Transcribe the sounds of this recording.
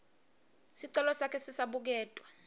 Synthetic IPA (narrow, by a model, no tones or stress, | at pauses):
siǀɛlɔsakʰɛsisaɓuk̬ɛːtʼwa